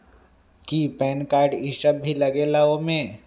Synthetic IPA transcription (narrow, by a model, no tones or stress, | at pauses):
kipɛːnkaːɾɖiʃəb̚bʱilɐɡelaomẽ